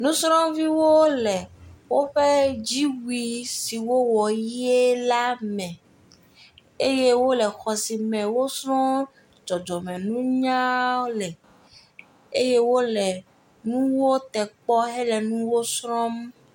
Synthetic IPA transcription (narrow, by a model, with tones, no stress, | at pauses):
nũ˦sɾɔ̃˦mvi˦wo˦lɛ˨wo˦ɸe˦d͡ʑi˦wi˨si˨wo˦wɔ˨ji˦e˦la˦mɛ̃˨ | e˦je˦wo˦lɛ˨xɔ˨si˨mɛ̃˨wo˦sɾɔ̃˦ | d͡ʒɔ˨d͡ʒɔ˨mɛ̃˨nũ˦ɲã˦lɛ˨ | e˦je˦wo˦lɛ˨ | nũ˦wo˦t̪ɛ˨k͡pɔ˦ɦɛ˦lɛ˨nũ˦wo˦sɾɔ̃˦m